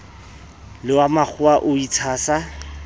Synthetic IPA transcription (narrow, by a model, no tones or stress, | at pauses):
lɪwamak͡xʰʊaʔʊit͡sʰaːsa